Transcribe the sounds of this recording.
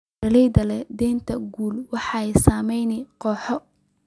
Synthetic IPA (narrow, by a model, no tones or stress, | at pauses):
ɐlɛjðɐlɛd̪ɛːnt̪ʰɐɡuːlwɑħɑɛjsaːmɛjnɪqɔːħɔ